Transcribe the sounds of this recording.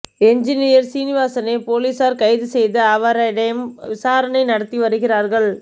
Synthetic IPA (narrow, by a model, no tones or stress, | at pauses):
ɛɲd͡ʒɪnɪjɐɾsiːnɪʋaːsɐnɐpoːliːsaːɾkɐɪðɯsɛjðɯɐʋɐɾɐɽɐjmʋɪsaːɾɐnɐɪnɐɽɐt̪ːiʋɐɾɯɣɪraːɾɣɐɭ